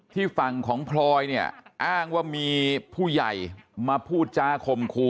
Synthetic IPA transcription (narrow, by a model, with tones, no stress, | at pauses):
t̪ʰiː˥˩fa˨˩ŋkʰɔː˩˦ŋpʰlɔː˧jni˥˩ɐʔaː˥˩ŋwaː˥˩miː˧pʰuː˥˩ja̰˨˩jmaː˧pʰuː˥˩t̪̚t͡ɕaː˧˥˩kʰo˧mkʰuː˧˩